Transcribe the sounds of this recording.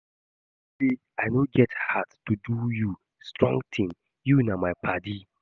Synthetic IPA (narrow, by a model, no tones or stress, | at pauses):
de | aɪnoɡɛthadtːuduju | stɹɔ̰̃ŋɡtʰĩŋ | junamaɪpʰadi